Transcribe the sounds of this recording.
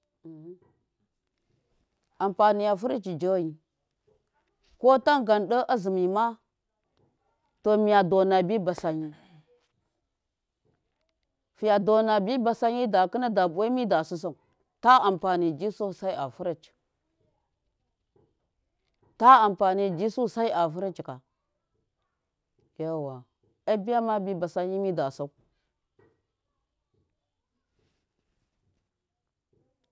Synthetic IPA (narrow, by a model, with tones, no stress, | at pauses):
a˨mpa˨ni˨ja˨fu˦ɾi˦t͡ʃi˨d͡ʒo˦ji˨ | ko˦ta˦ŋɡa˨nɗə˦ʔa˦zi˨mi˨ma˦ | to˨mi˨ja˨do˨na˨bi˦ba˨sa˨ɲi˦ | fi˨ja˨do˨na˨bi˦ba˨sa˦ɲi˦da˨kə˦na˦da˨bwa˦mi˦da˨su˦s̬a˨ | ta˦a˨mpa˨ni˨d͡ʒi˦su˦˨sa˦i˦a̰˨fu˦ɾi˦t͡ʃ | ta˦a˨mpa˨ni˨d͡ʒi˦su˦˨sa˦i˦a˨fu˦ɾi˦t͡ʃka˨ | ja˦˨wa˨ | a˦bi˦ja˦ma˦bi˦ba˨sa˦ɲi˦mi˦da˨sa˦u˦